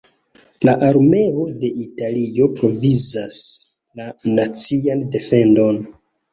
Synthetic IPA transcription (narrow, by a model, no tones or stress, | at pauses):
laʔaɾme̞o̞de̞ʔitalio̞pɾo̞vizas | lanat͡siande̞fe̞ndo̞n